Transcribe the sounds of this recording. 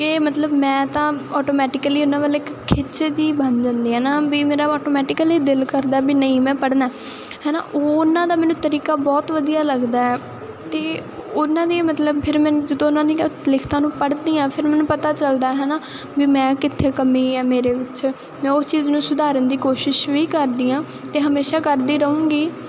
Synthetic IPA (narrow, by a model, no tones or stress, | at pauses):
kɪmət̪ləbmɛ̃ːt̪ãːɔːʈoːmɛːʈɪkəliːʊnãːʋaːlekkʰɪt͡ʃːd̪iːbənd͡ʒãːnd̪iːɛːnaːbiːmeːɾaːɔːʈoːmɛːʈɪkəliːd̪ɪlkəɾd̪aːɛbiːnəĩːmɛ̃ːpəɽnaː | ɦɛːna̰ːʔoːʊnãːd̪aːmɛːnũːt̪əɾiːkaːbɔːt̪ʋəd̪ijaːləɡd̪aːɛː | t̪eːʊnãːd̪iːmət̪ləbpʰɪɾmɛ̃ːnd͡ʒəd̪õːʊnãːd̪iːlɪkʰt̪ãːnũːpəɽd̪iːãːpʰɪɾmɛːnũːpət̪aːt͡ʃəld̪aːɦɛːnaː | biːmɛ̃ːkɪt̪ʰːeːkəmĩːɛːmeːɾeːʋɪt͡ʃ | mɛ̃ːost͡ʃiːznũːsʊd̪aːɾənd̪iːkoːʃɪʃʋiːkəɾd̪iːãː | t̪eːɦəmeːʃaːkəɾd̪iːɾəũːɡiː